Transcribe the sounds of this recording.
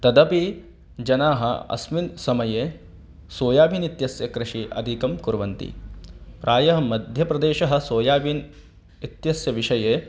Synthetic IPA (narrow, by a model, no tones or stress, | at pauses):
t̪ɐd̪ɐpi | d͡ʒɐnaːɦɐ̰ɐ̰sminsɐmɐjeː | soːjaːbʱinit̪jɐsjɐkɾɪʂiʔɐ̰d̪ʱikɐmkuɾʋɐnt̪ḭpɾʔaːjɐɦɐ̆mɐd̪ʱjɐpɾɐd̪eːʃɐɦɐ̆soːjaːbʱin | it̪jɐsjɐʋiʂɐjeː